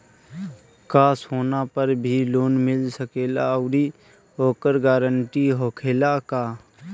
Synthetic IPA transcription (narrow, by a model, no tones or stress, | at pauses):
kaːsɦoːnapəɾbʱiloːnmɪlsəkeːlaʊɾi | oːkəɾɡaːɾəɳʈiɦoːkʰeːlakaː